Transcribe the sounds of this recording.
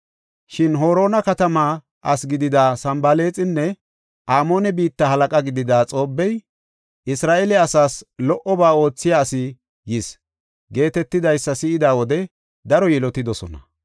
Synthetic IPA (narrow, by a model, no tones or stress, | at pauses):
ʃɪnɦo̞ːɾo̞ːnɐkɐt̪ɐmaː | ʔɐsɡɪd̪ɪd̪aːsɐmbɐle̞ːt͡sʼɪnːɛ | ʔaːmo̞ːnɛbiːt̪ːɐhɐlɐkʼɐɡɪd̪ɪd̪aːt͡sʼo̞ːbːɛj | ʔɪsɾaːʔelɛɐsaːslɔʔɔbaːo̞ːt͡sːɪjaːsɪ | jɪs | ɡe̞ːt̪ɛt̪ːɪd̪ɐjsːɐsɪɪd̪aːwɔd̪ɛ | d̪ɐɾɔjɛlɔt̪ɪd̪ɔsɔ̰nɐ̰